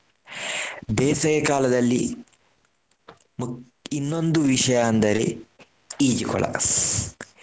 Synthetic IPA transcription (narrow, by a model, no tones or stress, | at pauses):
d̪ɛːsɐjɐkaːlɐd̪ɐlːḭ | m | inːond̪uʋiʃɐjaːnd̪ɐɾi | iːd͡ʒikɔ̰la̰ːs